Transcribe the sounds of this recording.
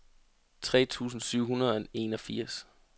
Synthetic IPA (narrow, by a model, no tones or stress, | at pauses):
t͡sʰʁɛ̰ːt͡sʰṵːs̬n̩syʊ̰ɦunɐð̞ˠene̝nɒ̽fiɐ̰s